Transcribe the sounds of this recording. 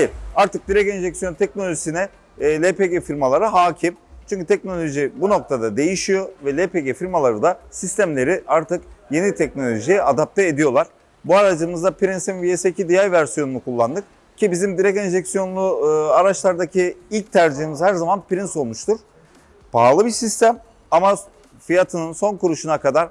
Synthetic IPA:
ajiɾaɾt̪ʰɯk̚d̪iɾɛkɛnʒɛksijo̞nt̪ʰɛc̚no̞lʲoʒisinɛ | lʲepeɟefiɾmalˠaɾɯɦaːcʰimt͡ʃʰyɲʲcyt̪ʰɛc̚no̞lʲo̞ʒibuno̞k̚t̪ʰad̪ad̪e̞jiʃijo̞vɛlʲepeɟefiɾmalˠaɾɯd̪asist̪æmlʲe̞ɾiʔaɾt̪ʰɯkje̞nit̪ʰɛc̚no̞lʲo̞ʒijɛʔad̪ap̚t̪ʰɛed̪ijo̞lˠaɾ̥ | buaɾad͡ʒɯmɯzd̪apʰiɾinsinviesecid̪ijaɾvæɾsijo̞nunukʰulˠːand̪ɯk̚ | cʰibizimd̪iɾɛcɛnʒɛcsijo̞nlˠuaɾat͡ʃlˠaɾd̪acʰiilʲc̚t̪ʰæɾd͡ʒiɦimizhæɾzamanpiɾinso̞lˠmuʃt̪uɾ̥ | baːlˠɯbiɾsist̪æm | ama | fijat̪ʰɯnɯnso̞nkuɾuʃunakad̪aɾ̥

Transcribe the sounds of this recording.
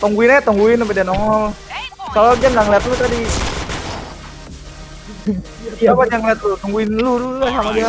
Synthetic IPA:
t̪ɔŋɡuinaat̪ɔŋɡuɪnapɛdianɔŋɔlkalad͡ʒanlaŋlɛat̪̚lut̪adi | kiapaɲd͡ʒaŋlɛt̪̚lut̪ɔŋɡuɪnluluasamad͡ʒia

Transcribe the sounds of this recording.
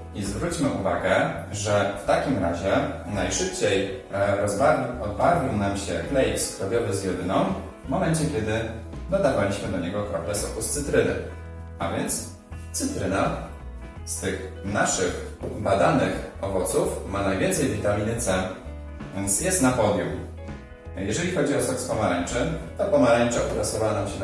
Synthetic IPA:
izvɾut͡ɕmɘʔuvaɡɛʐɛft̪akʲimɾaʑɛnajʂɘpt͡ɕejɾɔzbaɔd̪̚baɾvʲiwnamɕɛklɛjfskɾɔvʲjɔvɘzjɛd̪ɘnɔm | vmɔmɛnt͡ɕɛkʲɛd̪ɘ | d̪ɔd̪avalʲiɕmɘd̪ɔɲɛɡɔkɾɔplɛsɔ̰kust̪sɘt̪ɾɘnɘ̰ | ʔavʲjɛnt̪s | t̪sɘt̪ɾɘna | st̪ɘxnaʂɘxbad̪anɘxɔvɔt̪sufmanajvʲjɛnt̪sɛjvʲit̪amʲinɘt̪sɛ | nsjɛst̪napɔd̪ʲjuw | jɛʐɛlʲixɔd͡ʑiɔsɔkspɔmaɾaɲt͡ʂɘt̪ɔpɔmaɾaɲʲt͡ʂaʔuɾasɔvanamɕɛn

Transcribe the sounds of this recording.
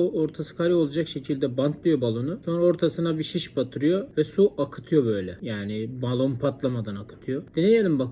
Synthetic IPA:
uoɾt̪ʰasɯ̥kʰaɾio̞lˠad͡ʒakʃe̞cʰilʲd̪ɛbant̪ʰlˠɯjo̞balˠonuso̞nɾao̞ɾt̪ʰasɯnabiʃiʃbat̪ʰɯɾɯjo̞vɛsuʔakʰɯ̥t̪ʰɯjo̞bø̞jlʲɛjaːnɪbalˠo̞npʰat̪lˠamad̪anakʰɯ̥t̪ʰɯjo̞d̪̥inejelʲimbak

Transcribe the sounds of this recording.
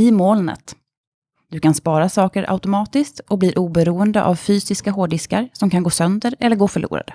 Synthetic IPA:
ɪmoːlnə̰t̪ | d̪̥ɵkanspɑːɾasɑːkəɾʔa̰ʊʉt̪ʊmɑːt̪ɪskt̪ɔk̚bliːɾʔuːbɛɾuːənd̪əʔavfyːsɪskaɦoːɖɪskaɾsɔmkʰanɡoːsœnd̪əɾɛ̰lːəɾɡoːfœɭṵːɾa̰d̪ə̰

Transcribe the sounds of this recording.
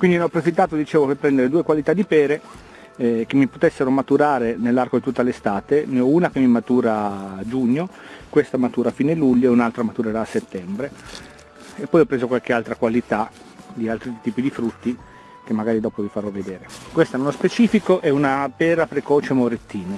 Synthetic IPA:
kwind̪imeɔpːɾofit̪ːaːt̪od̪it͡ʃeːvopepːɾɛnd̪eɾed̪uːekwalit̪ad̪ipɛːɾe | k̟emːipot̪esːeɾomat̪uɾaːɾenelːarkod̪it̪ut̪ːalest̪aːt̪eneɔunakemimat̪uːɾad͡ʒuɲːokwest̪amat̪uːɾafiːneluʎːoeunalt̪ɾamat̪uɾeɾaːsːet̪ːɛmbɾe | epːɔjɔpːɾeːzokwalk̟ealt̪ɾakwalit̪a | d̪ialt̪ɾit̪iːpid̪ifɾut̪ːi | k̟emːaɡaːɾid̪ɔːpovifaɾɔvːed̪eːɾekwest̪aɛunospet͡ʃiːfikoʔɛunapɛːɾapɾekɔːt͡ʃemoɾet̪ːiːne

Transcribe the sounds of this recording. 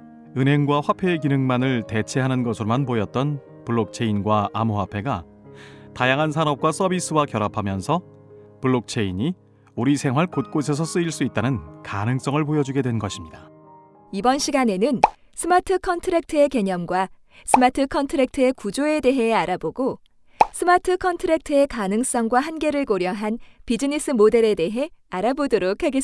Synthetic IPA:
ɯnɦe̞ŋɡwaɸwapʰe̞ːkinɯŋmanɯɭte̞t͡ɕʰe̞ɦanɯnɡʌsʰɯɾomanpojʌt̚t͈ʌn | puɭːok̚t͡ɕʰe̞inɡwaamuɦapʰe̞ɡa | tajaŋɦansʰanʌp̚k͈was͈ʌbis͈ʰɯwakjʌɾapʰamjʌnsʰʌ | puɭːok̚t͡ɕʰe̞iɲi | uɾisʰe̞ŋɦwaɭkot̚k͈osʰe̞s̬ʰʌs͈ɯiɭs͈uit̚t͈anɯnkanɯŋs͈ʌŋɯɭpojʌd͡ʑuɡe̞dwe̞nɡʌɕʰimɲida | ibʌnɕʰiɡane̞nɯn | sʰɯmatʰɯkʰʌntʰɯɾek̚tʰɯe̞ke̞ɲʌmɡwa | sʰɯmatʰɯkʰʌntʰɯɾek̚tʰɯe̞kud͡ʑoe̞de̞ɦe̞aɾaboɡo | sʰɯmatʰɯkʰʌntʰɯɾek̚tʰɯe̞kanɯŋs͈ʌŋɡwaɦanɡe̞ɾɯɭkoɾjʌɦanpid͡ʑinis͈ʰɯmode̞ɾe̞de̞ɦe̞aɾabodoɾokʰaɡes

